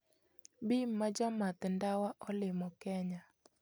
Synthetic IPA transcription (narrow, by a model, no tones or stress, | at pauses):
bimːad͡ʒɔmat̪ndawaʔɔlɪmɔkɛɲa